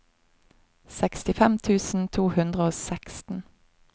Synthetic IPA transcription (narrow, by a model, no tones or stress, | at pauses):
sɛkst̪ɪfɛmt̪ʰʉːsn̩t̪ʰuːhʉnd̪ʁəoːsɛkst̪n̩